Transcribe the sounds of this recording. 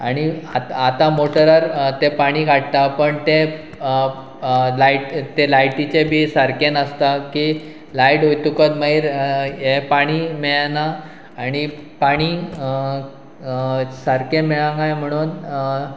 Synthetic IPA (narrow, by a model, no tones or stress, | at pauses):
aɽ̃iaat̪amoʈəɾəɾt̪epaɽ̃ikʰaʈ̚t̪apəɳt̪e | lajʈt̪elajʈit͡ɕebʱisəɾkenəst̪aki | lajʈɦojt̪ukət̪məɦiɾɦepaɽ̃imeɭnaː | ɽ̃ipaɽ̃i | səɾkemeɭãŋɡajm̤əɽ̃uːn